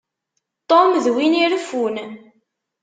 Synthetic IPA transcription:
t̪ˤomðwiniɾəfun

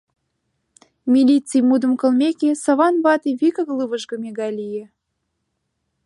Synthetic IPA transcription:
mʲilʲit͡sijmud̪ə̆mkə̆lˠmʲekesə̆βɑnβɑt̪iβʲikə̆ɣlˠɨβəʒɣɤ̆mʲeɣɑlʲije

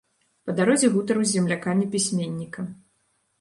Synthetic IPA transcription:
pɐd̪aɾɔzʲiɣut̪ɐɾuzʲɛmlʲakamʲipʲisʲmʲenʲːikɐ

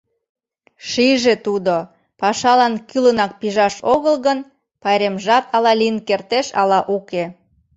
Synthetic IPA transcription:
ʃiʒet̪ud̪o | pɑʃɑlɑnkylənɑk̚piʒɑʃoɣəlɣən | pɑjɾemʒɑt̪ɑlɑlinkert̪eʃɑ̰lɑʔuke

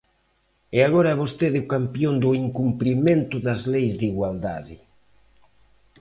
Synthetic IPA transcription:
ɪaɣoɾaɛβost̪eðɪʊkampjond̪ʊiŋkumpɾimẽnt̪ʊðazlejzd̪iɣwald̪a̰ðɪ

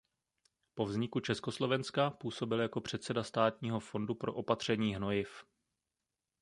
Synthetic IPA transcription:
po̞vzɲɪkut͡ʃɛsko̞slo̞vɛnskapuːso̞bɪljako̞pr̝̥ɛt̪sɛdast̪aːt̪ɲiːɦo̞fo̞ndupɾo̞ʔo̞pat̪r̝̥ɛɲiːɦno̞jɪf

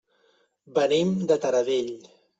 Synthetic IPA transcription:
bənimd̪ət̪əɾəðeʎ

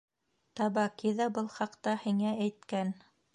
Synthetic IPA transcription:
t̪ɑβɑkiðɑbɤlˠχɑqt̪ɑhiŋææjt̪̚kæn

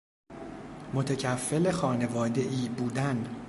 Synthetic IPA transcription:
mo̞t̪ʰecʰæfːe̞le̞xɒːne̞vɒːd̪e̞ʔiːbuːd̪æn

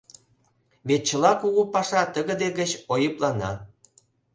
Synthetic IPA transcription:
βet̪̚t͡ɕəlɑkuɣupɑʃɑt̪əɣə̆d̪eɡət͡ɕojəplɑnɑ̰

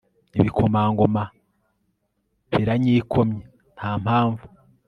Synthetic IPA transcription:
niβikʰomaːŋɡoma | βiɾaɲiːkʰomɲe | n̥haːmhaːɱvu̥

